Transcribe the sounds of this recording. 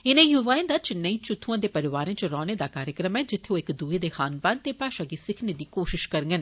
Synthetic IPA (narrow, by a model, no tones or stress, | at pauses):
ɪnẽĩjʊʋaːẽːd̪at͡ʃɪnːəĩːt͡ʃʊt̪ʰːuãːd̪epəɾɪʋaːɾẽːt͡ʃɾɔːñed̪akaːɾjəkɾəmɛːd͡ʒɪt̪ʰeõːɪkd̪ued̪exaːnbant̪epaːʃãɡisɪkʰned̪iːkoːʃɪʃkəɾŋɡən